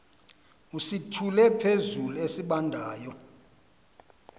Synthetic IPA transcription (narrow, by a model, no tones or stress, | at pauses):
usitʰulɛpʰezuluesiɓandʱaːjɔ